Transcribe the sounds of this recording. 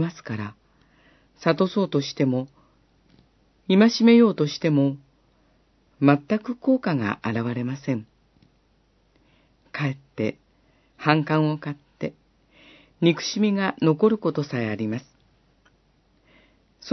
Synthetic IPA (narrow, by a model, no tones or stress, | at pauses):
asɨ̥kaɾa | sat̪o̞so̞ːt̪o̞ɕi̥t̪e̞mo̞ | imaɕime̞jo̞ːt̪o̞ɕi̥t̪e̞mo̞ | mat̪ːakɯ̟ko̞ːkaɡa̰ʔaɾaβ̞aɾe̞masẽ̞ŋ | kae̞t̪ːe̞ | hãŋkãɰ̃o̞kat̪ːe̞ | ɲ̟ʲikɯ̟̥ɕimʲiɡano̞ko̞ɾɯ̟ko̞t̪o̞saeaɾʲimasɨ̥ | so